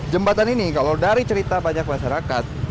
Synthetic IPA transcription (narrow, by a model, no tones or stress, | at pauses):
d͡ʒəmbat̪aninikalawdaɾit͡ʃəɾit̪abaɲak̚maʃaɾakat̪̚